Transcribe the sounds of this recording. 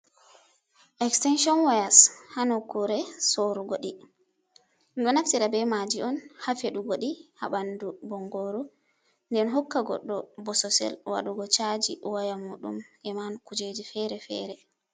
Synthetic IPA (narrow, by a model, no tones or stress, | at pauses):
ʔɛkstɛnʃɔnwajashanɔkuɾɛsoɾuɡoɗi | nɗɔnaftiɾabɛmad͡ʒiɔnhafeɗuɡoɗiha̰bandubɔŋɡoɾu | ndɛnɦɔkːaɡɔ̰ɗːɔbɔsɔsɛ̰lwa̰ɗuɡɔt͡ʃad͡ʒḭwajamuːɗṵmʔɛmankud͡ʒed͡ʒifɛɾɛfɛ̰ɾɛ